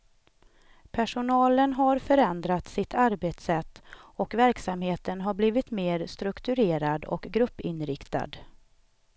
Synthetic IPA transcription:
pʰæʂʊnɑːlənɦaɾfœɾɛnd̪ɾat̪sɪt̪ʰaɾbeːt̪sɛt̪ːɔkvæɾksamheːt̪ənɦaɾbliːvɪt̪meːɾst̪ɾɵkt̪ɵɾeːɾad̪ɔ̰kɡɾɵpːɪnɾɪkt̪a̰d̪

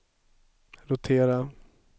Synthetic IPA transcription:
ɾʊt̪ʰeːɾa

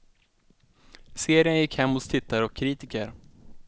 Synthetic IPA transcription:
seːɾɪjənjɪkhɛmːhʊst̪ʰɪt̪ʰːaɾɔkʰːɾiːt̪ɪkəɾ

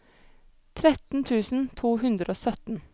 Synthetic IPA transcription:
t̪ʰɾɛt̪n̩t̪ʰʉːsn̩t̪ʰuːɦʉnd̪ɾəoːsœt̪n̩

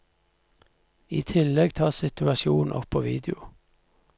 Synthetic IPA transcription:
ḭːt̪ʰɪlɛɡt̪ʰɑːsɪt̪ʉɑʃuːnʔɔ̰pʰoːʋḭːd̪ɪʊ

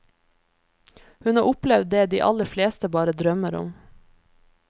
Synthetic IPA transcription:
hʉnɑːʔʊplɛʋd̪̚d̪eːd̪ḭːʔɑ̰ləfleːst̪əbɑːɾəd̪ɾœməɾʊ̰m

